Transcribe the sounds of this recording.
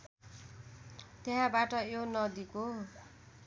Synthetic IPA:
t̪eɦãbaʈʌjonʌd̪iko

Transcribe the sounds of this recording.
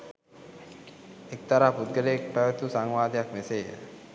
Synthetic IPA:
ek̚t̪aɾaːput̪̚ɡəleek̚pæʋət̪usaŋʋaːd̪ʱəjakmeseːjə̰

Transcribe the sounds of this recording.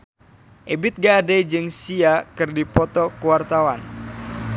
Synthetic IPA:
ʔebɪt̪̚ɡadɛd͡ʒɨŋsiakɨrdipɔt̪ɔkuwart̪awan

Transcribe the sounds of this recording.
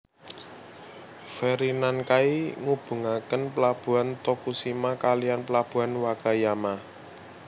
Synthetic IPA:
fɛɾinankaiŋub̥ṳŋakənpəlab̥ṳant̪okusimakalijanpəlab̥ṳɦanwakajama

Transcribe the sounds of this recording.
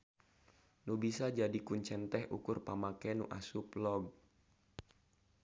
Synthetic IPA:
nubisad͡ʒadikuɲt͡ʃɛnt̪ɛɦʔṵkʊrpamakɛnṵʔa̰suplɔɡ̚

